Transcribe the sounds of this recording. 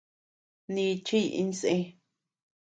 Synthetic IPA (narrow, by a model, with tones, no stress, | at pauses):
nĩ˧t͡ʃi˦˧ʔḭ̃˧n˧sẽ˦